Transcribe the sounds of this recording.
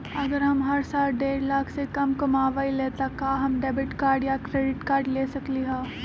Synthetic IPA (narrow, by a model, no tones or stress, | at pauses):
ɐɡəɾɦɐmɦɐɾsaːlɖeːɾlaːkʰsekɐmkɐmaːʋaːileːt̪akaːɦɐmɖeːbɪʈkaːɾɖjakɾeːɖɪʈkaːɾɖleːsɐkliɦɛ̃ː